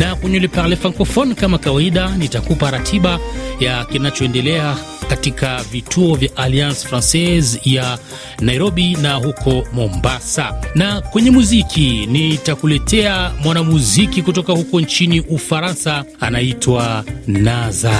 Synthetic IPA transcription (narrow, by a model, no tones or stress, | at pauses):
nakwɛɲulipalɛfaŋkɔfɔnkamakawaiɗanitakupaɾatʰiɓajakinat͡ʃɔɛndɛlɛa | katikʰavitʰuɔvjaʔaliansfɾansɛzja | naiɾɔɓinahukʰɔmɔmbasa̰nakwɛɲɛmuzikʰinitakulɛtɛamwanamuzikikutɔkahukɔnt͡ʃiniʔufaɾansa | anaitʰwanaza